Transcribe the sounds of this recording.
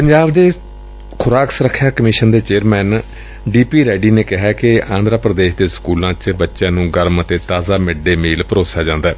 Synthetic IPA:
pəɲd͡ʒaːbd̪eː | kʰʊɾaːksəɾəkʰːjaːkəmɪʃənd̪eːt͡ʃeːəɾmɛːn | ɖiːpiːɾɛːɖiːneːkɪɦɛːkɪãːnd̪ɾaːpɾəd̪eːʃd̪eːsə̥kuːlãːt͡ʃbətːʃãːnũːɡəɾmət̪eːt̪aːzaːmɪɖeːmiːlpəɾoːsaːd͡ʒãːnd̪aː

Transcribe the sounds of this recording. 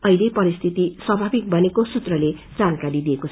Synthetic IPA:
ʌilepʌɾist̪ʰit̪iswʌbʱabik̚bʱʌnekosut̪rʌled͡zankaɾid̪ieko

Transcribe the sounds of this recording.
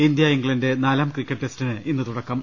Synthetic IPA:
ind̪jɐiŋɡɭɐnde̞naːlaːmkrikʲːɐʈːestinɨinːɨt̪uɽɐkːɐm

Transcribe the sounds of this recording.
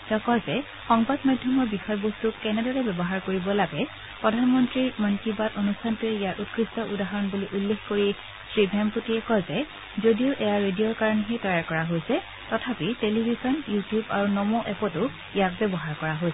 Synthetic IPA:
tɛɔkɔzɛ | xɔŋbadmadʱjɔmɔɹbixɔjɔbɔstukːɛnɛdɔɹɛbɛbɔɦaɹkoɹibɔlaɡɛ | pɹɔdʱanmɔntɹiɹmɔnkibatonustʰantʊɛijatut̚kʰɹistɔʔudaɦɔɹɔnbuliʔulːexkoɹi | sɹibʱɛmputiɛkɔzɛ | zodiʊʔɛjaɹedijɔɹkaɹɔnɛɦetɔjaɹkɔɹaɦojsɛ | tɔtʰapitelibʱizɔnjutijuba̰ɹunɔmoʔɛpɔtʊ | ijak̚bɛbɔɦaɹkɔɹaɦojsɛ

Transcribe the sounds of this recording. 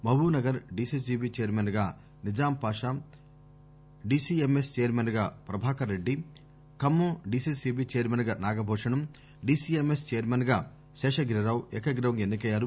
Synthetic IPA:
mɐʋuːnɐɡɐɾɖiːsisiːbit͡ʃejɐɾmenɡaː | nid͡ʒaːmpaːʂaːm | ɖiːsiːemest͡ʃejɐɾmenɡaːpɾɐbʱaːkɐɾeɖːi | kɐmːoɖiːsisiːbiːt͡ʃejɐɾmenɡaːnaːɡɐbʱɔːʂɐɳɐm | ɖiːsiemest͡ʃejɐɾmenɡaː | ʃɛːʃɐɡɾɐɾaːwekɐɡɾɐʋɐŋenːikɐjaːɾu

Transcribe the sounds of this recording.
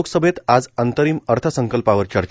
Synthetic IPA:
oksəbʱet̪ad͡zənt̪əɾiːməɾt̪ʰəsəŋkəlpaʋəɾt͡ɕəɾt͡ɕ

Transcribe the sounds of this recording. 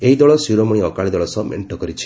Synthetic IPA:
eɦid̪ɔɭɔsuɾɔmuɽ̃iɔkaɭid̪ɔɭɔsɔmḛɳʈɔkɔɾit͡ʃʰi̥

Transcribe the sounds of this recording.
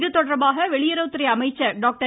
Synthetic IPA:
ðɯt̪ːɔɽɐɾɐmaːɣɐʋɛɭɪjɐɾɐʊt̪ːɪɾɐɪɐmɐɪt͡ʃːɐɖaːk̚ʈɐ

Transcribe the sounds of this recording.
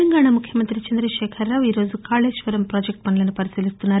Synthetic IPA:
ɐŋɡaːɳamukʰjɐmɐnt̪ɾit͡ʃɐnd̪ɾɐʃɛːkʰɐɾːaːʋiːɾo̞ːzukaːled͡ʒʃʋɐɾɐmpɾoːd͡ʒek̚ʈ̚pɐnlɐnupɐɾisiːlist̪unːaːɾ

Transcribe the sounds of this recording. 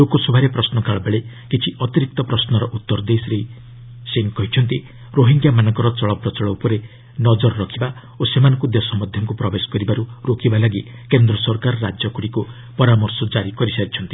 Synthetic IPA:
lokɔsubʱaɾepɾɔsnɔkaɭɔbeɭe | kit͡ʃʰiʔɔt̪iɾik̚t̪ɔpɾɔsnɔɾɔʔut̪ːɔɾd̪esɾei | seŋkɔɦit͡ʃʰɔnt̪i | ɾoɦiŋɡjamanɔŋkɔɾɔt͡ʃɔɭɔpɾɔt͡ʃɔɭɔwpɔɾe | nɔd͡ʒɔɾɔɾɔkʰiba | osemanɔ̃ŋkud̪ɔsɔmɔd̪ʱjɔŋkupɾɔbesɔ̥kɔɾibaɾuɾokʰibalaɡikend̪ɾɔsɔɾkaɾɔɾad͡ʒjɔkuɽiku | pɔɾamɔɾsɔd͡ʒaɾikɔɾisaɾit͡ʃʰɔnt̪i̥

